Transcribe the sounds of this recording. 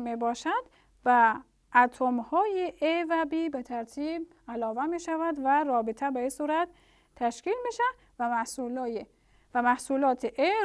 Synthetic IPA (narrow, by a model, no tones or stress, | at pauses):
mebɒːʃæd̪̥ | bæ | ʔæt̪ʰomhɒːjeʔevæbiːbet̪ʰæɾt̪ʰiːb | ælɒːvæmiːʃævæd̪væɾɒːbet̪ʰæbeisuːɾæt̪ | t̪ʰːæʃkiːlmiʃæ | væmæhsulːje | væmæhsuːlɒːt̪ʰeʔe